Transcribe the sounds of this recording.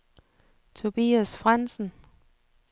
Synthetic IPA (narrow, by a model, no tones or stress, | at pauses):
t͡sʰo̝b̥ḭːæsfʁan̰sn̩